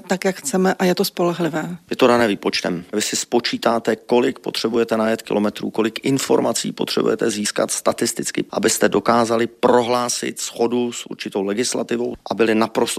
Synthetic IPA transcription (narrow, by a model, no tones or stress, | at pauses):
t̪akjakxt͡sɛmɛʔajɛt̪ospo̞lɛɦlɪvɛːjɛt̪odanɛːviːpo̞t͡ʃt̪ɛ̰mvɪsɪspo̞t͡ʃiːt̪aːt̪ɛko̞lɪkpo̞̰t̪r̝̥ɛbujɛt̪ɛnajɛt̪kɪ̰lo̞mɛt̪ɾṵːko̞lɪkʔɪnfo̞̰ɾmat͡sḭːpo̞t̪r̥ɛ̰bṵjɛ̰t̪ɛziːska̰t̪st̪at̪ɪst̪ɪt͡skɪ̰ʔa̰bɪst̪ɛdo̞kaːzalɪpɾo̞ɦlaːsɪ̰t̪sxo̞dusʔṵɾt͡ʃɪt̪o̞wlɛɡɪsla̰t̪ɪvo̞̰wʔabɪlɪnapɾo̞st̪